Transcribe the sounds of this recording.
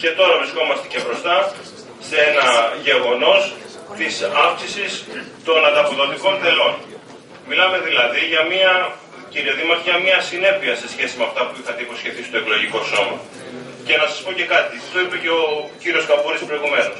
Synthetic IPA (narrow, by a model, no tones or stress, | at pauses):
ce̞t̪o̞ɾɐvɾisko̞mɐst̪ece̞bɾo̞st̪ɐ | seenɐʝe̞ɣo̞no̞s | t̪isɐfksisist̪o̞nɐnd̪ɐpo̞ðo̞t̪iko̞nd̪e̞lo̞n | milɐme̞ðilɐðiʝɐmiɐ | ciɾioðimɐt̪ʝɐmɲɐsine̞piɐse̞sçe̞simeɐft̪ɐpuixɐt̪eipo̞sçe̞θisi̥t̪o̞e̞klo̞ʝiko̞so̞mɐ | ce̞nɐsɐ̥spo̞ce̞kɐt̪iɐft̪o̞ipe̞ce̞o̞ciɾio̞skɐpuɾispɾo̞iɣume̞no̞s